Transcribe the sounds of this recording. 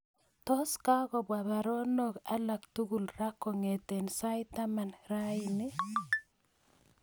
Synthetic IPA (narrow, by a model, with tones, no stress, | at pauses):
tɔ˦ska˦ɣɔ˨bwa˨ba˨ɾɔ˦nɔ˦ka˦la˨ktu˦ɣu˨lra˦kɔ˨ŋɛ˨tɛ˨nsa˦jta˦ma˨nɾa˦ɪnɪ˦